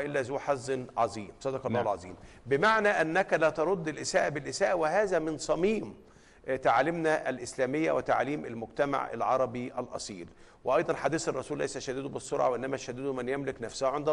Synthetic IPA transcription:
ʔɪlːæzuːħɑzːnʕɑzˤiːmsˤɑd̪ɑkɑlˤɑːhlʕɑ̰zˤḭːmbɪmaʕnæʔænːækælæt̪ɑɾˤod̪ːɪlʔɪsæːʔæbɪlʔɪsæːʔæwɪɦæːzæmɪnsˤɑmiːm | t̪aʕlɪmnæʔælʔɪslæːmɪjːæwɪt̪a̰ʕliːmʔælmʊɡt̪æma̰ʕʔæ̰lʕɑɾˤɑbiʔælʔɑ̰sˤiːl | weʔɑjd̪ˤɑnħad̪iːsɑrˤːɑsuːlːæ̰jsæʃæd̪id̪ubɪsˤːoɾʕa̰weʔɪnːæmæʃæd̪iːd̪ʊmænjæmlɪknæfshæʕend̪æ

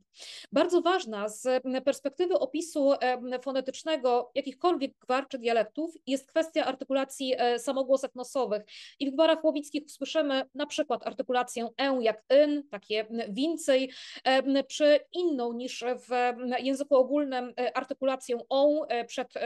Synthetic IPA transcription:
baɾd̪zɔvaʐnazpɛɾspɛkt̪ɘvɘʔɔpʲisufɔnɛt̪ɘt͡ʂnɛɡɔjakʲixkɔlvʲjɛɡɡvaɾt͡ʂɛd̪jalɛk̚t̪ufjɛst̪̚kfɛst̪ʲjaʔaɾt̪ɘkulat̪sʲjisamɔɡwɔsɛknɔsɔvɘxivɡvaɾaxwɔvʲit̪skʲixu̥swɘʂɘmɘnapʂɘkwat̪aɾt̪ɘkulat̪sʲjɛɛwjakɛnt̪akʲɛvʲint̪sɛj | pʂɘinːɔ̃w̃ɲiʂvjɛ̃w̃zɘkuɔɡulnɘmʔaɾt̪ɘkulat̪sʲjɔ̃w̃ɔpʂɛt̪

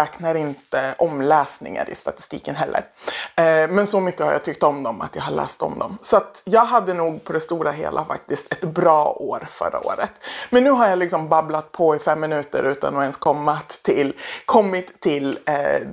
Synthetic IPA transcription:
ɛːknaɾɪnt̪əʔɔmlɛːsnɪ̰ŋa̰ɾɪ̰st̪at̪ɪ̥st̪ḭːkənɦɛlːə̰ɾ | mɛnsɔmʏkːəhaɾja̰t̪ʏk̚t̪ɔmd̪ɔma̰t̪jɑːɦaɭɛ̰ːst̪ɔ̰md̪ɔ̰msɔat̪jɑːɡɦad̪ːənuːɡ̚pʰɔd̪ɛst̪uːɾaɦḛːlʔa̰fa̰k̚t̪ɪst̪ɛt̪bɾɑːoːɾfœ̰ɾːa̰o̰ːɾə̰t̪mɛnːʉ̟ːɦaɾjalɪksɔmbablat̪̚pʰɔɪfɛmːɪnʉ̟ːt̪ə̰ɾʉ̟ːt̪a̰nɔɛnskʰɔmːat̪ʰːɪlkʰɔmːɪt̪ʰːɪl

